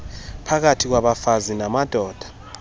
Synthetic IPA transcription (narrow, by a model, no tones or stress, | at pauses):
pʰak̬atʰik̬waɓafazinamad̥ʱɔːd̥ʱḁ